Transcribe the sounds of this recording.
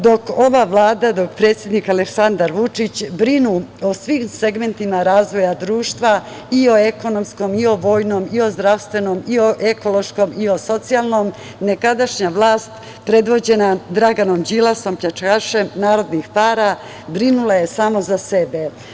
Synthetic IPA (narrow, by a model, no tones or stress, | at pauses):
d̪o̞ko̞ʋaʋlˠaːd̪ad̪o̞kpɾe̞ːt̪sje̞d̪nikaleksand̪aɾʋut͡ʂit͡ɕbɾinuosʋimse̞ɡme̞nt̪imaɾaːzʋo̞jad̪ɾuːʃt̪ʋa | io̞e̞ko̞no̞msko̞mio̞ʋo̞ːjnomio̞zd̪ɾaʋst̪ʋe̞nomioʔeko̞lo̞ʃko̞mio̞so̞t̪sialˠno̞m | ne̞kad̪aʃɲaʋlˠaːst̪ | pɾe̞d̪ʋo̞d͡ʑe̞nad̪ɾaɡanomd͡ʑilˠaso̞mpʎat͡ʂkaʃe̞mnaːɾo̞d̪nixpaːɾa | bɾinulˠaje̞saːmo̞zase̞be̞